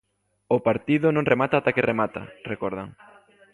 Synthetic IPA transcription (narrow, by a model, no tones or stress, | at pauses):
ʊpaɾt̪iðʊnõŋremat̪at̪akɪremat̪a̰rekɔɾðaŋ